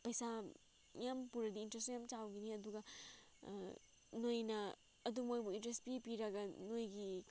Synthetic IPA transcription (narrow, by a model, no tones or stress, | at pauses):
pɐjsa | jampuɾɐdiːntɾes̬ujamt͡ʃawɡiniɐduɡɐ | nojnɐː | dumojbuintɾestpipiɾɐɡɐnojɡi